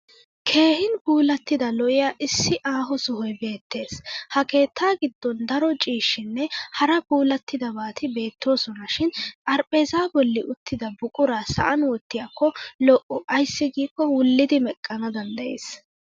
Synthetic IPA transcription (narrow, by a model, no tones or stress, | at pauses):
kʰe̞ːhɪnpuːlɐt̪ːɪd̪ɐlɔʔɪjaːʔɪsːɪʔaːɦɔsʊhɔjbe̞ːt̪ːe̞ːshɐke̞ːt̪ʰːaːɡɪd̪ːɔnd̪ɐɾɔt͡ʃʼiːʃːɪnːɛhɐɾɐbuːlɐt̪ːɪd̪ɐbaːt̪ʰɪbe̞ːt̪ːo̞ːsɔnɐʃɪnɐɾpʼeːzaːbɔlːɪʔʊt̪ːɪd̪ɐbʊkʼʊɾaːsɐ̰ʔɐnwɔt̪ːɪjakːɔlɔʔʊʔɐjsːɪɡiːkːɔwʊlːɪd̪ɪmɛkʼːɐnɐd̪ɐnd̪ɐjḛːs